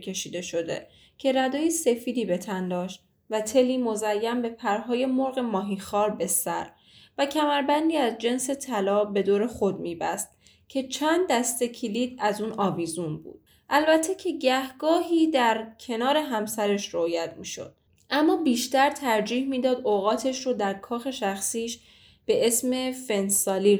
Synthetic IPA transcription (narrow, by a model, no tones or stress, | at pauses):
kʰe̞ʃiːd̪e̞ʃo̞d̪e̞̰ | cʰe̞ɾæd̪ɒːjese̞fiːd̪iːbe̞t̪ʰænd̪ɒːʃt̪̚ | væt̪ʰe̞liːmo̞zæjːæmbe̞pʰæɾɦɒːje̞mo̞ɾɣe̞mɒːɦixɒːɾbe̞sæ̰ɾ | væcʰæmæɾbænd̪iːæzd͡ʒe̞nse̞t̪ʰælɒːbe̞d̪oːɾe̞xo̞d̪̚miːbæ̰st̪̚ | cʰe̞t͡ʃʰænd̪ːæst̪e̞cʰiliːd̪̚æzuːnɒːviːzunbṵːd̪̥̚ | ʔælbæt̪ʰːe̞cʰe̞ɟæhɡɒːɦiːd̪æɾcʰe̞nɒːɾe̞ɦæmsæɾe̞ʃɾoːjæt̪ʰmiːʃo̞̰d̪̥̚ | ʔæmːɒːbiːʃt̪æɾt̪ʰæɾd͡ʒiːhmiːd̪ɒːd̪oɣɒːt̪ʰe̞ʃɾod̪æɾkʰɒːxe̞ʃæxsiːʃ | b̥e̞e̞sme̞fe̞nsɒːli